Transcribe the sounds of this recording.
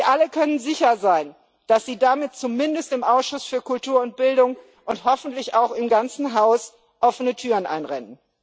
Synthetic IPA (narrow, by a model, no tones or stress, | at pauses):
ʔaləkʰœnənzɪçɐzaɪn | d̥asz̥iːdamɪt̚t͡sumɪndəstɪmʔaʊsʃʊsfyːɐkʊltʰuːɐʊnt̚b̥ɪldʊŋ | ʔʊnthɔfn̩tlɪçaʊxɪmɡant͡sn̩ɦaʊs | ʔɔfənətʰyːʁənʔa̰ɪnʁɛ̰nən